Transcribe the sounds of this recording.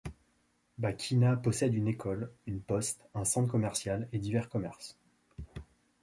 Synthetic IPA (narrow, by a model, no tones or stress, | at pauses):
bakʲʰinapɔsɛd̪ynekɔlynpɔst̪ɛ̃sɑ̃t̪χkɔmɛʁsjaled̪ivɛʁkɔmɛʁs